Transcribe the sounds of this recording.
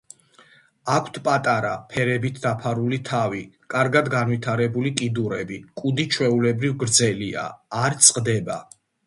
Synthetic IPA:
akʷʰt̪ʰpʼat̪ʼaɾapʰɛɾɛbit̪ʰd̪apʰaɾulit̪ʰavikʼaɾɡad̪ɡanwit̪ʰaɾɛbulikʼid̪uɾɛbikʼud̪it͡ʃʰwɛulɛbɾivɡɾd̪zɛlia̰ːɾt̪sʼqʼd̪ɛba

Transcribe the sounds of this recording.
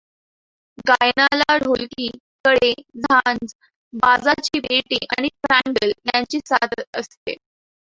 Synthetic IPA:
ɡajnalaɽ̤ʱolkiː | kəɽed͡zʱand͡z | bad͡zat͡ɕiːbeʈḭːʔaɽ̃ifɾaɳɖəljaɲt͡ɕiːsad̪ət̪əst̪ḛ

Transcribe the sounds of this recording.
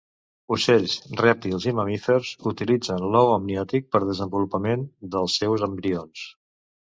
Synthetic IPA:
usɛʎsrɛp̚t̪ilˠziməmifəɾzut̪ilid͡zənlɔwəmniɔt̪ik̚pəɾðəzəmbulupəmend̪əlˠsːɛwzəmbɾions

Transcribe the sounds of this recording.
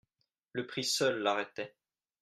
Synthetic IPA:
ləpχisœlːaʁɛt̪ɛ

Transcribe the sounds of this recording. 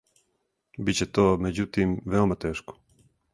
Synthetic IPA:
bit͡ɕet̪oːmed͡ʑut̪imʋeomat̪eːʃko̥

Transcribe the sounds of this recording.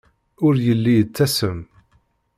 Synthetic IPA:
ʊɾjəlːijət͡sːæsəm

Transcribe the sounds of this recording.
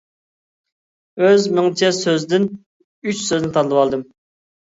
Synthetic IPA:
øzmɪŋt͡ʃʰɛsøzd̪ɪn | yt͡ʃsøzd̪nt̪ʰɑnlˠəwɑlˠd̪ɨm

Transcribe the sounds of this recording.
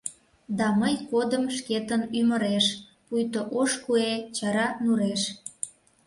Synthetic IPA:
d̪ɑməjkod̪əmʃket̪ənymə̆ɾeʃ | pujt̪oʔoʃkuet͡ɕɑɾɑnuɾeʃ

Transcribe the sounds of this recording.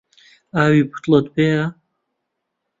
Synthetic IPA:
aːwiːbu̥t̪lət̪̚beːa

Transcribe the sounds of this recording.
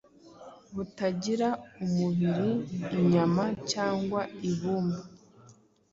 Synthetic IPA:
βutaɟiɾaumuβiɾiːɲamacaːŋɡwaiβuːmba

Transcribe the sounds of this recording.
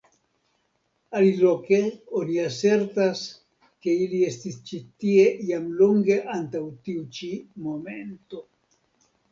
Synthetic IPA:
aliloke̞oniase̞ɾtas | ke̞ilie̞stist͡ʃitie̞jamloŋɡe̞ʔantawtiut͡ʃimo̞me̞nto̞

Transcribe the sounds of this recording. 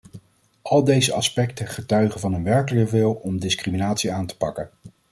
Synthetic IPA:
ʔɑlˠdejzəɑspɛktəχətœɥχənvɑnənʋɛɹkələkəʋɪlˠɔmdɪskriminaːtsiaːntə̥pɑkən

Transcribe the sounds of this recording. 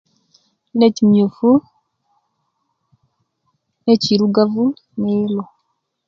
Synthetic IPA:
neciɲufu | neciɾuɡavu | neːlo

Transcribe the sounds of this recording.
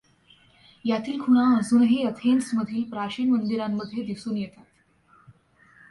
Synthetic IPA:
jat̪iːlkʰuɽ̃aəd͡zuːnɦeət̪ʰensməd̪ʱiːlpɾaɕiːnmənd̪iɾamːəd̪ʱːjed̪isuːnjɛt̪at̪

